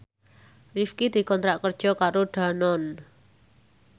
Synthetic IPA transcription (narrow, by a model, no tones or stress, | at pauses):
rifkid̪̥i̤kɔnt̪ɾaʔkərd̥ʒ̥ɔ̤kaɾoɖ̪̥a̤nɔn